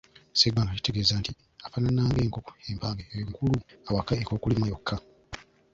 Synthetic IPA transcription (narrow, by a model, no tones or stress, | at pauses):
sebaŋɡaci̥te̞ɡeːzanti | afananːaːŋɡe̞ːŋkoko̥eːmpaːŋɡeŋkuluawakːaeko̞ːkulimajo̞kʰːa